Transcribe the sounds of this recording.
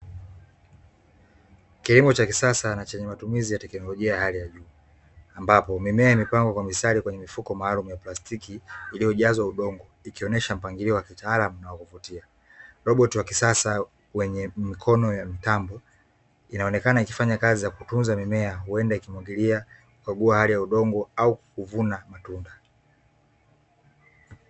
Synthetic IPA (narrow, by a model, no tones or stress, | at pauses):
kilimɔt͡ʃakisasanat͡ʃɛɲɛmatumizijatɛknɔlɔʄiajahalijaʄuː | ambapɔmimɛaimipaŋɡwakwamisaɾikwɛɲɛmifukɔmaːlumujaplastikiːlijɔʄazwauɗɔŋɡɔ | ikiɔnɛʃam̩paŋɡiɾiɔwakitaalamunawakuvutia | ɾɔɓɔtiwakisasa | wɛɲɛmikʰɔnɔjamitambɔ | inaɔnɛkanaiki̥faɲakazijakutunzamimɛauɛndaikimwaɡilia | ukaɡuahalijauɗɔŋɡɔaukuvunamatunda